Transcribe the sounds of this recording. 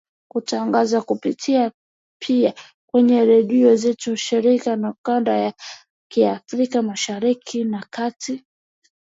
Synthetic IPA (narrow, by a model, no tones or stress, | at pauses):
kutʰaŋɡazakupitʰia | pʰia | kwɛɲɛɾɛɗiɔzɛtuʃiɾikanakandaja | kiafɾikamaʃaɾikʰinakati